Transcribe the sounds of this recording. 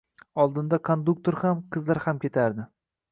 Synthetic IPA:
ɒlˠd̪ɪnd̪akʰond̪uk̚t̪oɾhamqʰɨzlaɾhamkʲe̞t̪ʰaɾd̪ɪ

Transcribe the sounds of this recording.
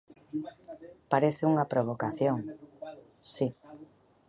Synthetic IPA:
paɾeθɪuŋapɾoβ̞okaθjoŋ | si

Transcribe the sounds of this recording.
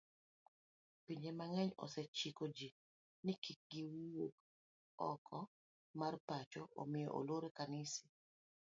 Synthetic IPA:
piɲemaŋɛɲɔ̰sɛt͡ʃikod͡ʒi | nɪkik̚ɡɪwok̚ | ɔ̰kʰɔ | marpat͡ʃɔo̰mɪjo̰ʔo̰loɾekanɪsi̥

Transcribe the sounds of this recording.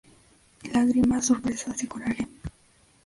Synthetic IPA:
laɣɾimasoɾpɾesasikulaɾem

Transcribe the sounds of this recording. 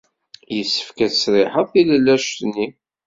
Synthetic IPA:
jəsːə̥fkæsɾɪħəðθiləlːæʃnːi

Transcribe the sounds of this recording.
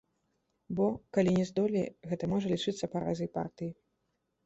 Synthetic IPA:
bɔkalʲinʲɛzd̪ɔlʲḭɣɛt̪ɐmɔʐɐlʲit͡ʂɨt̪sːɐpɐɾa̰zɨjpa̰rt̪ɨji

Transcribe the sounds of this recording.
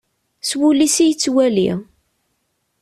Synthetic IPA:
swulisijət͡sːwælḭ

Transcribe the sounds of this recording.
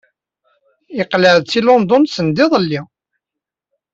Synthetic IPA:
ɪqləʕðt͡sːilond̪onsənd̪ɪðˤəlːi

